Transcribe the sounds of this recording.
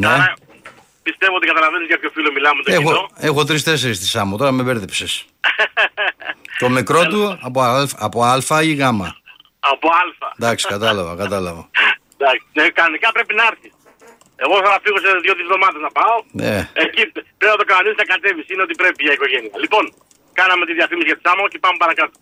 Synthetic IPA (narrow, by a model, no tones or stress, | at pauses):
ne | pist̪evoot̪ikɐt̪ɐlɐvenizʝɐp̪ço̞filomilɐmet̪oexooe̞xo̞t̪ɾist̪e̞seɾist̪isɐmot̪o̞ɾɐmeve̞ɾðepses | t̪o̞mekɾo̞t̪uɐpolfɐɐpo̞ɐlfɐiɣɐmɐ | ɐpo̞ɐlfɐ̰d̪ɐksi̥kɐt̪ɐlɐvɐ̰kɐt̪ɐlɐvo | d̪ɐksnekɐonikɐpɾepinɐeɾθis | e̞ɣoθɐnɐfiɣoseðʝo̞ðivlo̞mɐðenɐpɐonḛecipɾepnɐt̪okɐnɐnisnɐkɐt̪e̞visineo̞t̪ipɾe̞piʝɐiko̞ʝe̞niɐlipo̞ŋ | kɐnɐme̞t̪iðiɐfimisiʝɐt̪i̥sɐmɐce̞pɐmepɐɾɐkɐt̪u̥